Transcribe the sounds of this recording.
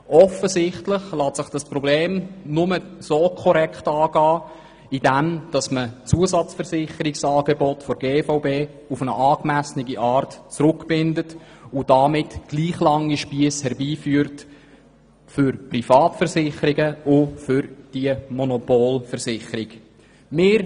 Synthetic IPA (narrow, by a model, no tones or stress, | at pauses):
ʔɔfəzɪχtlɪχlɑːtsɪχd̥ɑsprɔbleːmnʊməsoːkʰɔɾɛktɑːɡ̥ɑː | id̥æmd̥ɑsmət͡suəsɑt͡sfəɾsɪχəɾɪksɑːɡebɔtfɔɾɡeːfaʊbeː | ufənəʔɑːkmæsnɪɡiʔɑːrtt͡sɾʊkb̥ɪndət | ʊd̥ɑmɪtɡ̥liːχlɑŋiʃpiəshɛɾbiːfyːəɾt | fʏɾprifɑːtfəɾsɪχəɾiɡəʊfʏɾd̥iəmɔnɔpoːlfəɾsɪχəɾɪk | mɪːɾ